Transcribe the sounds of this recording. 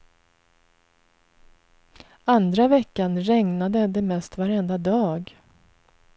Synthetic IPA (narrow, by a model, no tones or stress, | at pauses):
and̪ɾavɛkːanɾɛŋnad̪əd̪ɛmɛst̪vaɾɛnd̪ad̪ɑːɡ